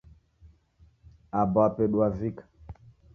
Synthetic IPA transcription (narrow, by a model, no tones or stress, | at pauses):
abɔapɛɗuavikḁ